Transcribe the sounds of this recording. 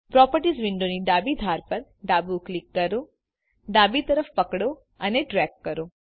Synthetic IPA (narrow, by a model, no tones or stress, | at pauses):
pɾɔpəɾʈizʋɪɳɖoniɖ̪abid̪ʱaɾpəɾ | ɖabuklikːəɾo | ɖ̪abit̪əɾəfpəkɽo | əneʈɾɛkːəɾo